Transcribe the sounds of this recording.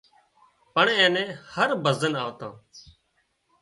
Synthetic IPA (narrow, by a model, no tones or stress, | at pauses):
pəɳẽːnɛ̃ːhəɾbəzənaːʋt̪ã̰ː